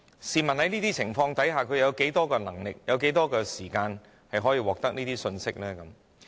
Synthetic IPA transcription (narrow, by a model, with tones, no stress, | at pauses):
siː˨mɐ˨nhɐ˨˥jniː˥t̪iː˥t͡sʰɪ˨˩ŋfɔː˧ŋt̪ɐ˨˥jɦaː˨˩kʰɵ˨˧ɥjɐ˨˧wke˨˥jt̪ɔː˥kɛː˧nɐ˨˩ŋlɪ˨k̚jɐ˨˧wke˨˥jt̪ɔː˥kɛː˧siː˨˩kaː˧n | hɐ˨jɦɔː˨˥jiː˧wɔː˨k̚t̪ɐ˥k̚niː˥t̪iː˥sɵ˧nsɪ˥k̚lɛː˥kɐ˨˦m